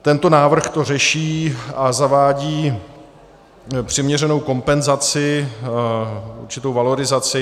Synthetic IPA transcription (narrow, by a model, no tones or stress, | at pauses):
t̪ɛnt̪o̞naːvr̩xt̪o̞rɛʃiːazavaːɟiː | pr̝̥ɪmɲɛrɛno̞wko̞mpɛnzat͡sɪ | uɾt͡ʃɪt̪o̞wvalo̞ɾɪzat͡sɪ